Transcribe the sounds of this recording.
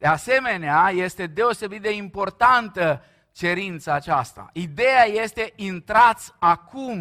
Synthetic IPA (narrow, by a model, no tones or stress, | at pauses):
d̪̥ease̞me̞neaje̞st̪e̞d̪e̞o̞se̞bit̪̚d̪e̞impo̞rt̪ant̪ə | t͡ʃe̞ɾint̪saːt͡ʃast̪a̰id̪e̞jaje̞st̪e̞ʔint̪ɾat̪sʲakʰum